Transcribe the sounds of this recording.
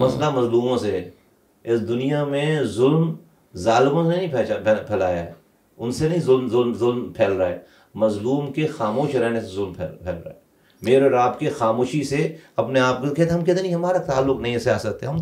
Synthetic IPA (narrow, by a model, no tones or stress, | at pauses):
mɐslamɐzluːmõse | ɪsd̪ʊnijamẽzʊlm | zaːlɪmõseenɐĩpʰɛpʰɛːla̰ːja̰ɦɛ̰ | ʊnsenɐɦĩzʊlmzʊlmzʊlmpʰɛːlɾaɛː | mɐzluːmkexaːmoːʃɾɛɦnesezʊlmpʰɛpʰɛ̰ːlɾa̰ːɛː | meːɾeɾaːbkexaːmoːʃiseɐpneaːp̚kokɛɦːt̪eɦɐmkɛːt̪ʰenĩɦɐmaːɾat̪aːlːʊknɐɦĩsjaːsɐk̚t̪eːɦɐm